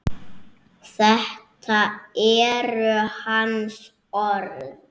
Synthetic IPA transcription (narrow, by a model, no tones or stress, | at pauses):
θɛht̪ʰaɛɾʏhans | ɔɾð